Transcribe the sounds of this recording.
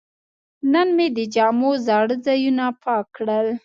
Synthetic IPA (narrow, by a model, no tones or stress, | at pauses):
nənmed̪əd͡ʒɑmozɑɽəzɑjunapʰɑkɽəl